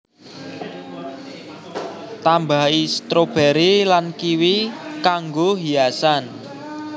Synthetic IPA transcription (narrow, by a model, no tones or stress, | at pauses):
t̪ambaist̪ɾob̥ɛɾilankiwikaŋɡoɦiasan